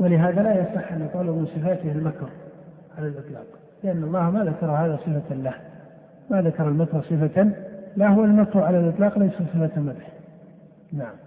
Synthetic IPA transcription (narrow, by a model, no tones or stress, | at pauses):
walɪɦaːðalajɑsˤɨħːʔanjɑt̪ˤʕalumɪnsˤɨfaːt̪ɪhalmakɾ | ʕalalʔɨt̪ˤlɑ̰ːq | lɪʔanːɑlˤːɑːhmaðakɑɾˤhaːðasˤɨfalah | maðakɑɾˤɑlmakɾˤsˤɨfalahʊwalmakɾˤʕalalʔɨt̪ˤlɑːqlajsasˤɨfat̪mad̪ħ | naʕam